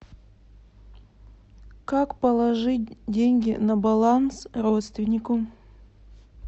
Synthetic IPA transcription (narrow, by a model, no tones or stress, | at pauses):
kakpəlˠɐʐɨt̚ʲdʲenʲɡʲɪnɐbalˠansrot̪st̪vʲɪnʲɪkʊ